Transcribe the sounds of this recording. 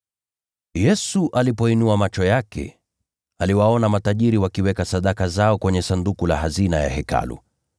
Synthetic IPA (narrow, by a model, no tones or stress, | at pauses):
jɛsuʔalipɔinuamat͡ʃɔjakɛ̰ | aliwaɔnamataʄiɾiwakiwɛkasaɗakazaɔkwɛɲɛsandukula̰ɦazinaja̰hɛka̰lṵ